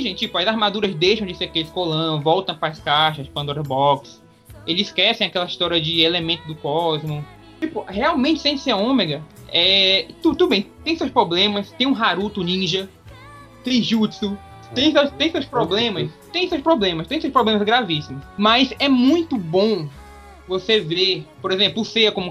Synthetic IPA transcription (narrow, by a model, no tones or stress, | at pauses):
ʒẽnt͡ʃt͡ʃipʊɐzaɾmad̪uɾɐzd̪ejʃɐ̃w̃d͡ʒɪseɾakelɪskolɐ̃vɔwt̪ɐ̃w̃pɾɐːskaʃɐzd͡ʒpɐ̃nd̪ɔɾɐbɔks | elɪzɪskɛsẽj̃akɛlɐiʃt̪ɔɾiɐd͡ʒɪelemẽnt̪ʊd̪ʊkɔzmʊ | t͡ʃipʊheawmẽnt͡ʃɪ̥sẽseõmeɡɐɛt̪ud̪t̪ud̪ʊbẽj̃t̪ẽj̃sewspɾoblẽmɐst̪ẽj̃ũɦaɾut̪ʊnĩʒɐ | t̪ẽʒut͡ʃsʊ | t̪ẽj̃sewst̪ẽj̃sewspɾoblẽmɐst̪ẽj̃sewspɾoblẽmɐst̪ẽj̃sewspɾoblẽmɐzɡɾavisimʊsmɐzɛmũj̃t̪ʊbõ | vosevepoɾezẽmplʊʊseɐkõmʊ